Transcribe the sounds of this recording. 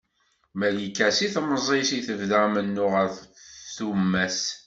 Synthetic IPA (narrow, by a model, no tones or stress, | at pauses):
mælikːæsiθməzˤesiθəvðæmənːʊʁəɾfθumːæs